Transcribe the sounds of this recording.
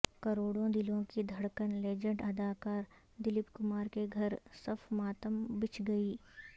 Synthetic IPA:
kɐɾoːɽõd̪ɪlõkid̪ʱɐɽkənleːd͡ʒə̃ɳɖɐd̪aːkaːɾ | d̪ɪlɪpkʊmaːɾkeɡʱɐɾsɐfʰmaːt̪əmbɪt͡ʃɡɐiː

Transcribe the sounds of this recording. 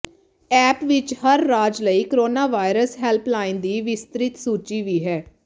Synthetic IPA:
ɛːpʋɪt͡ʃhəɾːaːd͡ʒləiːkəɾoːnaːʋaːɪɾəsɦɛlpʰlaːɪ̃nd̪iːʋɪst̪ɾɪt̪suːt͡ʃiːʋiːɦɛː

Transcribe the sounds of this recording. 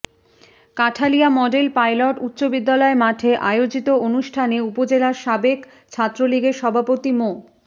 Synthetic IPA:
kaʈʰaliamɔɖelpajloʈut̪ːɕobid̪ːalɔemaʈʰeʔaeod͡ʑit̪oonuʃʈʰaneupod͡ʑelaɾʃabek | t͡ɕʰat̪ːɾoliɡeɾʃɔbʱapot̪imo

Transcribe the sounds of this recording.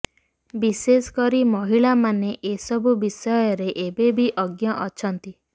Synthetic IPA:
biseskɔɾimɔɦiɭamaneʔesɔbʱubisɔjɔɾeʔebebiʔɔɡjɔʔɔt͡ʃʰɔnt̪i

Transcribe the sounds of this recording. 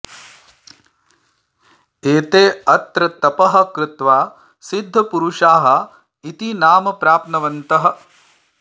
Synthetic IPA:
eːt̪eːɐt̪ɾɐt̪ɐpɐɦɐ̆kɾɪt̪ʋaː | sid̪ʱːɐpuɾuʂaːɦɐ̆ | it̪inaːmɐpɾaːpnɐʋɐnt̪ɐɦɐ̆

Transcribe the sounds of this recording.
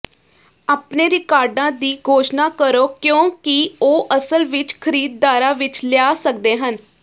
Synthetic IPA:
aːpneːɾɪkaːɾɖãːd̪iːɡʱoːʃnaːkəɾoːkjõːkɪoːʔəsəlʋɪt͡ʃkʰəɾiːd̪̚ːaːɾãːʋɪt͡ʃljaːsəkd̪eːɦən

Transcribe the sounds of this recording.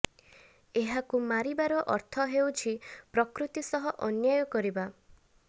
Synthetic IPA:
eɦakumaɾibaɾɔʔɔɾt̪ʰɔɦewt͡ʃʰipɾɔkɾut̪isɔɦɔʔɔnjajɔkɔɾiba

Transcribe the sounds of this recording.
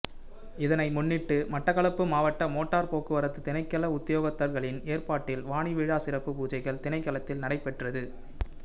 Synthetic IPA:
ɪðɐnɐɪmʊnːɪʈːɯmɐʈːɐɣɐɭɐpːɯmaːʋɐʈːɐmoːʈːaːɾpoːkɯʋɐɾɐt̪ːɯt̪ɪnɐɪkːɐlɐʊt̪ːɪjoːɣɐt̪ːɐɾɣɐɭɪneːɾpaːʈːɪlʋaːɳiʋiːɻaːsɪɾɐpːɯpuːd͡ʒɐɪɣɐɭt̪ɪnɐɪkːɐlɐt̪ːɪlnɐɽɐɪpːɛʈrɐðɯ

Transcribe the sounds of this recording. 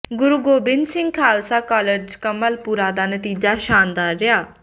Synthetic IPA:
ɡʊɾuɡoːbɪnd̪sɪ̃ŋɡ̚kʰaːlsaːkɔːləɾd͡ʒkəməlpuːɾaːd̪aːnət̪iːd͡ʒaːʃaːnd̪aːɾːɪjaː

